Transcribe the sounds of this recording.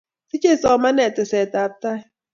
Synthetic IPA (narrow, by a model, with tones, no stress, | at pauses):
si˦t͡ʃʼe˦˨sɔ˨˦ma˦nɛ˨tʼɛ˨sɛ˨t̪a˨˦p̚t̪a˦˨